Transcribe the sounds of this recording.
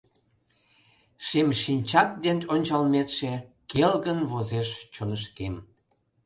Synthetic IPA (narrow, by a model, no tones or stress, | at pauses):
ʃemʃinʲt͡ɕɑt̪̚d̪enonʲt͡ɕɑlmet̪ʃekelɣənβozeʃt͡ɕonəʃkem